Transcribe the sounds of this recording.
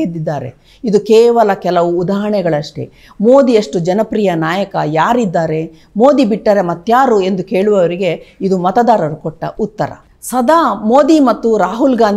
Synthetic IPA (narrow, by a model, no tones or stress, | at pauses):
ed̪ːid̪ːaːɾe̞̰ | id̪ukɛːʋɐlɐkɛlɐʋuːd̪aːɦɐɳɛɡɐɭɐʂʈḛ | mo̞ːd̪ijɐʂʈud͡ʒɐnɐpɾijɐnaːjɐkɐjaːɾid̪ːaːɾe̞ | mo̞ːd̪ibiʈːɐɾe̞mɐt̪ːjaːɾue̞nd̪uke̞ːɭuʋɐʋɐɾiɡe̞id̪umɐt̪ɐd̪aːɾɐɾukɔʈːɐ̰ʔut̪ːɐɾɐ̰ | sɐd̪aːmo̞ːd̪imɐt̪ːuɾaːɦulɡaːnd̪